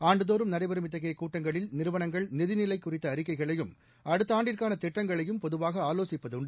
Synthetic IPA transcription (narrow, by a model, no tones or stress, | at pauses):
aːɳɖɯðoːɾɯmnɐɾɐɪbɐɾɯmɪt̪ːɐɣɐjɐkːuːʈːɐŋɡɐɭɪlnɪɾɯʋɐnɐŋɡɐɭnɪðɪnɪlɐɪkːʊrɪt̪ːɐːɾɪkːɐɪɣɐɭɐjɯm | ɐɽɯt̪ːaːɳɖɪrkaːnɐt̪ɛʈːɐŋɡɐɭɐjɯmpɔðɯʋaːɣɐaːloːsɪpːɐðʊɳɖɯ